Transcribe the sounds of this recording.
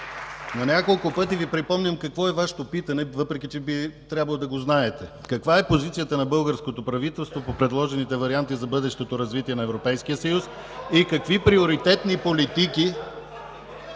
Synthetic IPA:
nɐnʲakolˠkʊpɤt̪ivipɾipɔmnʲəmkɐkvɔɛvaʃɛ̥t̪opit̪ɐnɛvɤpɾɛkit͡ʃɛbit̪ɾʲjabəlˠod̪ɐɡoznaɛt̪ɛkɐkvaɛpozit̪sijət̪ənɐbɤlˠɡəɾskot̪opɾɐvit̪ɛlˠst̪vopopɾɛd̪lˠɔʒɛnit̪ɛvɐɾiant̪izɐbɤd̪ɛʃt̪ot̪oɾɐzvit̪iɛnɐɛvɾopɛjskijəsɐjus | ikɐkvipɾioɾit̪ɛt̪nipolit̪iki

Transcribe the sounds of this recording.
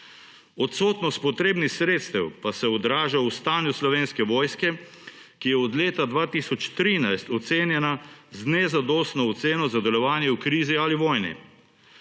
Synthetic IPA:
ɔt̪soːt̪nɔst̪̚pɔt̪ɾeːbnixsɾeːt̪st̪ɛwpasɛɔd̪ɾaːʒawst̪aːnjuslɔʋeːnskɛʋɔːjskɛ | kijɛɔd̪leːt̪ad̪ʋaːt̪iːsɔt͡ʃt̪ɾiːnajst̪ɔt̪seːnjɛnaznɛzad̪ɔːst̪nɔɔt̪seːnɔzad̪ɛlɔʋaːnjɛukɾiːzialiʋɔːjnḭ

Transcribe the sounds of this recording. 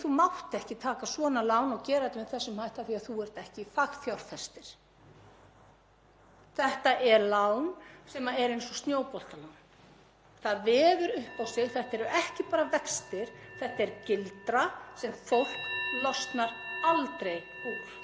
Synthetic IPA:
θumawht̪ɛhcɪt̪ʰaːkasvɔːnalawnɔɣcɛːɾat̪ɪmɛðθɛsːʏmhajht̪aθiaðθuɛɾ̥t̪ɛhcɪfak̪θjawɾ̥θɛst̪ɪɾ̥ | θɛht̪aʔɛɾlawnsɛmaɛɾejnsɔst̪njoːwpɔl̥t̪alawn | θaðvɛːðʏɾʏhpawst̪ɪlθɛht̪aɛɾʏɛhcɪpaːɾavɛkst̪ɪɾ̥θɛht̪aɛɾcɪlt̪ɾasɛmfowl̥klɔst̪naɾalt̪ɾejpu̥

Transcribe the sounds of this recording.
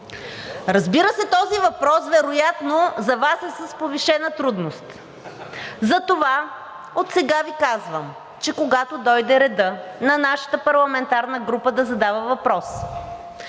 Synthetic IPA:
ɾɐzbiɾəsɛt̪ɔzivɐpɾɔsvɛɾojat̪nozɐvasɛsəspoviʃɛnət̪ɾud̪nost̪ | zɐt̪ova | ot̪sɛɡavikazvəm | t͡ʃɛkoɡat̪od̪ɔjd̪ɛɾɛd̪ɤnɐnaʃə̥t̪əpɐɾlˠɐmɛnt̪aɾnəɡɾupəd̪ɐzɐd̪avəvɐpɾɔs

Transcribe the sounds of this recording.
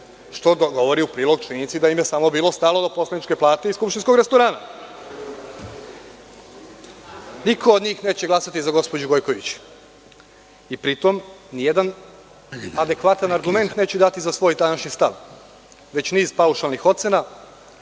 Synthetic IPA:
ʃt̪o̞d̪oɡo̞ʋo̞ɾiupɾiːlˠoɡ̚t͡ʃinit̪sid̪aimjesamo̞biːlˠo̞st̪aːlˠod̪opo̞slenit͡ʃkeplˠaːt̪e̞iskupʃt̪inskoɡɾest̪oɾaːna | nikʰoːd̪ɲiːxneːt͡ɕeɡlasat̪izaɡo̞spod͡ʑuɡo̞jko̞ʋit͡ɕ | ipɾit̪o̞mnije̞d̪an | ad̪e̞kʋat̪anaɾɡume̞nt̪ne̞ːt͡ɕed̪at̪izasʋo̞ːjt̪anaʃɲist̪aʋ | ʋe̞t͡ɕniːz̥pauʃalˠnixo̞t̪sena

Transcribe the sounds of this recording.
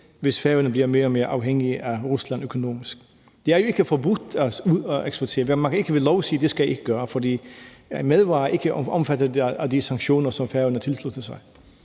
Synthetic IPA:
ʋesfæɐənəbliɐme̝ːɐɔmeːɐʔɑ̈ʊɦeŋiəʔæʁuslænøkʰo̝no̝̰ːmisɡ̥ | d̥eæɐjo̝e̝ɡ̥əfɒbu̥d̥æueksb̥oɐt͡sʰe̝ːɐʋmænkʰæe̝ɡ̥əʋelɒʊsḭːd̥esɡ̥æjæe̝ɡ̥əɡ̥ɶːɐfɒdḭːmeðˠʋɑ̈ːæɐe̝ɡ̥əɒmfædəðdæd̥isɑ̈ŋɡɕo̝̰ːnɐsɒ̽mfæɐənət͡sʰe̝lslud̥əsɑ̈ɪ

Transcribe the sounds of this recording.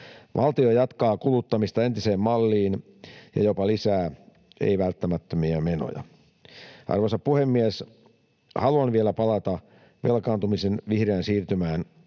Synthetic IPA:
ʋʔɑ̰lt̪iojɑt̪kɑːkulut̪ːɑmist̪ɑe̞nt̪ise̞ːmmɑlːiːn | jɑ̰jo̞pɑlisæː | ḛiʋælt̪ːæmæt̪ːømiæme̞no̰jɑ̰ | ʔɑ̰rʋosɑppuhemːies | hɑluɑnʋielæpɑlɑt̪ɑ | ʋe̞lkɑːnt̪umisenʋihreːnsiːrt̪ymæːn

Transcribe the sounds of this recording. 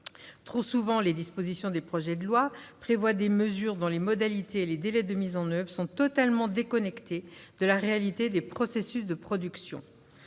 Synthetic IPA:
t̪χosuvɑ̃led̪ispozisjɔ̃d̪epχɔʒɛd̪əlwapχevwad̪eməzyʁd̪ɔ̃lemɔd̪alit̪ʰeːled̪elɛd̪əmizɑ̃nœvʁsɔ̃t̪ɔt̪almɑ̃d̪ekɔnɛkt̪ed̪̥əlaʁealit̪ed̪epχɔsesysd̪əpχɔd̪yksjɔ̰̃

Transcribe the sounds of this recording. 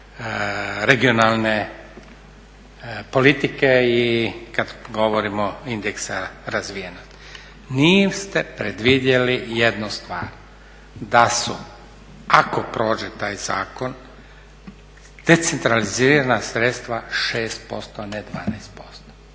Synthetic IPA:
ɾeɡionalˠne | po̞lit̪ikeikad̪ɡo̞ʋoɾimoind̪eksaɾazʋijenost̪ | nist̪epɾed̪ʋid̪jelijed̪nust̪ʋa̰ːɾ | d̪asu | akopɾo̞ːd͡ʒet̪aːjza̰ːko̞n | d̪̥e̞t̪sent̪ɾaliziːɾanasɾet̪st̪ʋaʃeːst̪̚po̞̰st̪oaned̪ʋa̰ːnajst̪̚po̞st̪o̥

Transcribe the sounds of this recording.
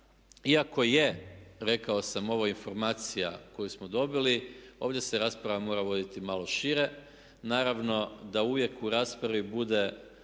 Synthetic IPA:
iako̞je̞ɾe̞kao̞samo̞ʋainfo̞ɾmaːt̪sijako̞jusmod̪o̞bilio̞ːʋd̪ʲje̞se̞ɾaːspɾaʋamo̞ːɾaʋo̞d̪it̪imalo̞ʃiɾe̞ | naːɾaʋno̞d̪auʋje̞kuɾaːspɾaʋibud̪e̞

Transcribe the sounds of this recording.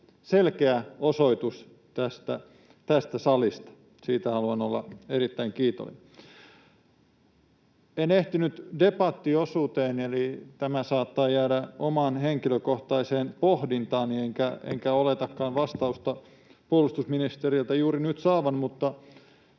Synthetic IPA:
selkeæosoit̪us | t̪æst̪æ | t̪æst̪æsɑlist̪ɑ̥ | siːt̪æhɑluɑnolːɑ̰erit̪ːæiŋkiːt̪o̰lḭ | eneht̪inyt̪depɑt̪ːiosuːt̪eːnelit̪æmæsɑːt̪ːɑːjæːdæomɑːnheŋkiløkoht̪ɑiseːnpohdint̪ɑːnnieŋkæḛŋkæolet̪ɑkːɑːnʋɑst̪ɑust̪ɑ | puolust̪usminist̪erilt̪æjuːɾinyt̪sɑːʋɑnmut̪ːɑ

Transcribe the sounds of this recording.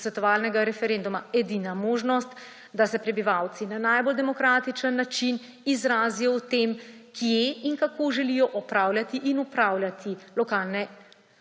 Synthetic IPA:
sʋɛt̪ɔʋaːlnɛɡaɾɛfɛɾend̪umaɛd̪inamoːʒnɔst̪ | d̪asɛpɾɛbiʋawt̪sinanajbold̪ɛmɔkɾaːt̪it͡ʃənːat͡ʃin | izɾaːzijɔwt̪emkʰijeiŋkakoʒɛlijɔʔɔpɾaːwljat̪iʔinupɾawljat̪ʰilɔkaːlnɛ

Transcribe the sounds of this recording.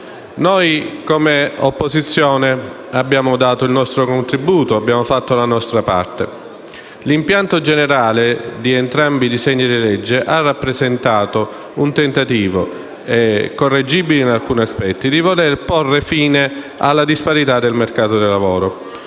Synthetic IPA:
nojkomeopːozit̪sːjɔːne | abːjaːmod̪aːt̪oilnɔst̪ɾokont̪ɾibuːt̪oabjaːmofat̪ːolanɔst̪ɾapa̰rt̪e | limpjant̪od͡ʒeneɾaːled̪ient̪ɾambid̪izɛɲːid̪ilɛd͡ʒːeʔarːapːɾezent̪aːt̪o | unt̪ent̪at̪iːvo | ɛkorːed͡ʒibilinalkuːniaspɛt̪ːid̪ivolerporːefiːne | a̰lːad̪ispaɾit̪ad̪elmerkaːt̪od̪ilavoːɾo

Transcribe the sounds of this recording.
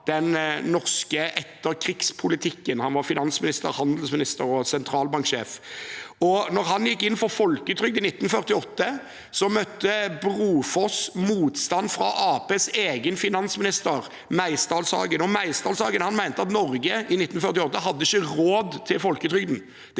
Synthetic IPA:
d̪̥ɛnːɔʁskəʔɛt̪ːəɾkʰɾɪkspʰʊlɪt̪ʰɪkːənhɑnʋɑɾfɪnɑnsmɪnɪst̪ə̰ʁhɑnd̪əl̩smɪnɪst̪əɾɔsɛnt̪ʰɾɑːlbɑŋkʃḛːf | ɔnɔɾɦɑnjɪkːɪnːfɔɾfɔlkʉːt̪ʰɾʏɡ̚d̪ɪnɪt̪ːnfœʁt̪ɪɔt̪ːə | sɔmœt̪ːəbʁuːfɔsmuːt̪st̪ɑnfɾɑ̰ʔɑːpeːseːɡənfɪnɑnsmɪnɪst̪əɾ | mæɪst̪ɑːlsɑ̰ːɡənɔmæɪsd̪ɑːlsɑːɡənhɑnmæɪnt̪əɑt̪nɔʁɡəɪnɪt̪ːnfœʁt̪ɪɔt̪ːəɦɑd̪ːəɪçːəʁoːd̪t̪ʰɪlfɔlkəʉːt̪ɾʏɡd̪n̩ | d̪

